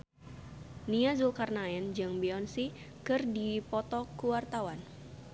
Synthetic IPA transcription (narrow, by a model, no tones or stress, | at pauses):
niazulkarnaɛnd͡ʒɨŋbiɔnsi | kɨrdipɔt̪ɔkuwart̪awan